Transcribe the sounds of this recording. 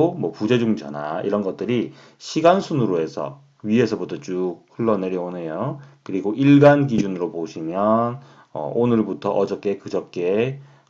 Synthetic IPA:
omwʌpud͡ʑe̞d͡ʑuŋd͡ʑʰʌ̰na̰ḭɾʌnɡʌt̚t͈ɯɾi | ɕʰiɡansʰunɯɾoe̞sʰʌ̰ | ɥie̞sʰʌbutʰʌt͡ɕuhuɭːʌne̞ɾjʌonɦe̞jokɯɾiɡoʔiɭɡankid͡ʑunɯɾopoɕʰimjʌn | ʌ̰ʔonɯɭbutʰʌʔʌd͡ʑʌk͈e̞kɯd͡ʑʌk͈e

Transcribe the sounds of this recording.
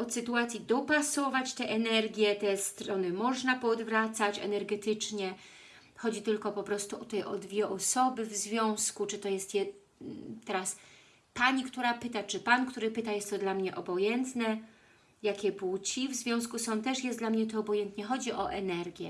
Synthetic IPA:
ɔsɘt̪uat̪sʲjid̪ɔpasɔvat͡ɕt̪ɛʔɛnɛɾɡʲjɛt̪ɛst̪ɾɔnɘmɔʐnapɔd̪vɾat̪sat͡ɕɛ̰nɛɾɡɛt̪ɘt͡ʂɲɛ | xɔd͡ʑit̪ɘlkɔpɔpɾɔst̪uʔɔt̪ɛjʔɔd̪vʲjɛʔɔsɔbɘvzvʲjɔ̃w̃skut͡ʂɘt̪ɔjɛst̪jɛ | t̪ɛɾas | paɲikt̪uɾapɘt̪at͡ʂɘpankt̪uɾɘpɘt̪ajɛst̪ːɔd̪lamɲɛʔɔbɔjɛnt̪nɛ | jakʲɛput͡ɕivzvʲjɔ̃w̃skusɔ̃w̃t̪ɛʂjɛsd̪lamɲɛt̪ɔːbɔjɛnt̪ɲɛxɔd͡ʑiʔɔ̰ʔɛnɛɾɡʲjɛ̰

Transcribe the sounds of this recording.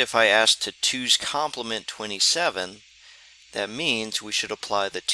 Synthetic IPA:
ɨfaɪæsk̚tʰɨtʰʉz̥kʰɑ̃mpʰləmɨ̃ntʰw̥ɛ̃ɾ̃isɛvɨ̃n | ðɨt̚mĩnzwiʃɨɾəpʰl̥aɪðɨtʰ

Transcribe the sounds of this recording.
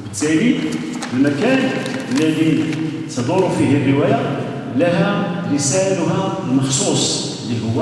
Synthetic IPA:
bət̪ːæli | wəlmækæɾəbəlːæd̪it̪d̪ˤɑɾˤufiɦərːəwæja | læɦæɾəsælʊɦælmɑxsusˤ | ləlhʊwːæ

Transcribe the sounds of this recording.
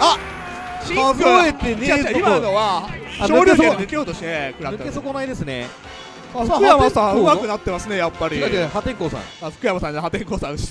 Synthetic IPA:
a | azoet̪ːenaiad̪oβaɕoːɾʲoɾd̪ekʲoːt̪o̞ɕi̥t̪ekɯɾaɯkesokonaid̪e̞sɨnḛ | askɯjamasãɯmakt̪enat̪ːe̞masɨne̞japːaɾʲid̪akehat̪ẽ̞ŋkoːsã̰asɨ̥kɯ̟jamasãɲɦat̪ẽŋkoːsãɯɕi̥

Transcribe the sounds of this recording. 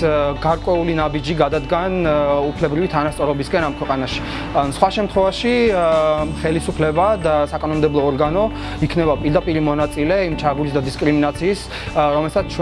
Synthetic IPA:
ɡaɾkʼwɛulinabid͡ʒiɡad̪ad̪ɡanupʰlɛbɾivit̪ʰanast̪sʼɔɾɔbiskʼɛnamkʰwɛqʼanaʃi̥ | sχwaʃɛmt̪ʰχwɛvaʃi | χɛlisupʰlɛbad̪asakʼanɔmd̪ɛblˠɔːɾɡanɔ | ikʰnɛbapʼiɾd̪apʼiɾimɔnat̪sʼilɛimt͡ʃʰaɡulisd̪ad̪iskʼɾiminat̪sʰiːs | ɾɔmɛlsat̪ʰt͡ʃʰ

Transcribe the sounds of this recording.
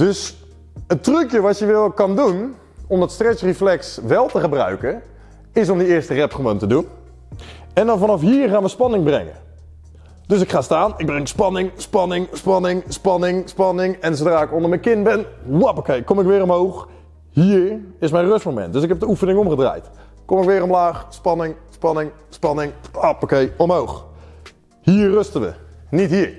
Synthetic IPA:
d̥øs | ətrøkjəʋɑtjəʋɪlˠkɑndun | ɔmdɑtstrɛksriflɛksʋɛlˠtəχəbrœ̰ɥkə | ɪsɔmdəɪːɹstərɛpχəʋowntədun | ɛndɑnvɑnɑfɦiːɹχaːnʋəspɑnɪŋbrɛ̰ŋə̰ | døsɪkχaːstaːnɪɡ̚brɛŋkspɑnɪŋspɑnɪŋspɑnɪŋspɑnɪŋspɑnɪŋɛnsowdraːɪkɔndəɹmɛjnkɪnbɛnwapowkejkɔmɪkʋɪːɾɔmɦowχ | hiːɹɪsmɛjnrøstmowmɛ̰nt̚døs̬ɪkɦɛp̚dəufənɪŋɔmχədra̰ːjt | komɪkʋɪːɾɔmlaːχspɑnɪŋspɑnɪŋ | spɑnɪŋapokejɔmɦowχ | hiːɹrøstənʋə̰nitɦiːɹ

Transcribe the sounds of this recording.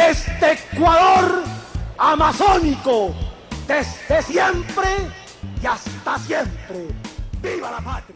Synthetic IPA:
est̪ekwaðoɾ | amasonikod̪ezd̪esjempɾe | jast̪asjempɾebiβalapat̪ɾja

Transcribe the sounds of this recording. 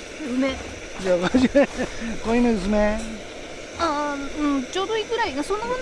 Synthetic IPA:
ɯme | d͡ʑamaʑimekoĩned̪es̬ɨne | aɯ̃t͡ɕo̞ːd̪o̞ikɯ̟ɾainaso̞nːahɯ̃n

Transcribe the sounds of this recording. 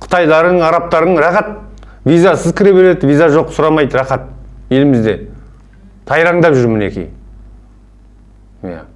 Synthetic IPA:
qʰʊ̥t̪ɑjlˠɑɾəɴɑɾɑp̚t̪ɑɾəɴɾɑχɑt̪̚ | vijzasəzkʲʰɪɾeβe̞ɾe̞d̪ɪvijzaʒo̞qːsʊɾɑmɑjd̪əɾɑχɑt̪̚je̞lɪmɪzd̪e̞ | t̪ʰɑjɾɑɴd̪ɑpʒʏɾmɪne̞̰kʲḭj | ja̰

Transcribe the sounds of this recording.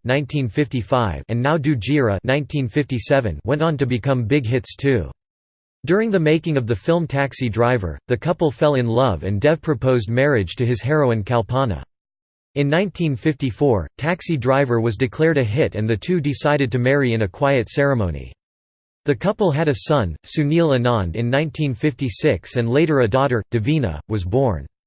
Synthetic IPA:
nãɪ̃ntʰĩnfɪftifaɪvɨ̃nːaʊdʉd͡ʒiɹə̰nãɪ̃ntʰĩnfɪftisɛvɨ̃nwɛ̃ntn̩tɨbɨkʰʌ̃mbɪɡɦɪtstʰʉ | d̥ʊɹɪ̃ŋðɨmeɪkɪ̃ŋʌvðɨfɪlˠmtʰæksidɹaɪvə̰˞ðɨkʰʌpl̩ˠfɛlˠɨ̃nlʌvɨ̰̃ndɛfpʰɹ̥ɨpʰoʊzd̚mɛɹɪd̥ʒ̥tʰɨɨz̥ɦɛɹoʊɨ̃nkʰælˠpʰɑnə̰ | ɨ̃nːãɪ̃ntʰĩnfɪftifɔɹtʰæksidɹaɪvə˞wʌzdɨkʰl̥ɛɹɾɨɦɪɾɨ̃nðɨtʰʉdɨsaɪɾɨd̚tɨmɛɹiɨ̃nɨkʰw̥aɪɨtsɛɹɨmõʊ̃nḭ | ðɨkʰʌpl̩ˠɨɾɨsʌ̃nsʉnilˠɨnɑ̃nɨ̃nːãɪ̃ntʰĩnfɪftisɪksɨ̃nleɪɾə˞ɨdɔɾə˞d̥ɨvĩnə̰wʌzbɔɹn

